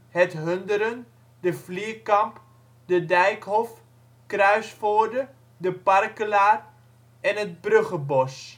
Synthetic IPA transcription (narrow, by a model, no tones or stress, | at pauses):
ɦɛtɦøndəɾən | dəfliːkɑmp | dədɛjkɦɔf | krœɥsfoːrdə | dəparkəlaːr | ɛnɦət̚brøχəbɔs